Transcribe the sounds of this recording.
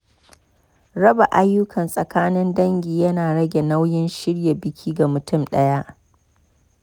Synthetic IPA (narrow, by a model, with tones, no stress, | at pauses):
ɽɐ˦ba˨ʔa˦jːʊ˦kʰɐ˨nsʼɐ˨kaː˦nɪ˦ndɐ˦ŋɡʲiː˨jɐ˦naː˨ɽɐ˦ɡʲe˨na˦wjɪ˦nʃɪ˦ɽja˨bɪ˦kʲʰiː˦ɡa˨mʊ˨tʊ˦˨mɗɐ˦ja˦ʔ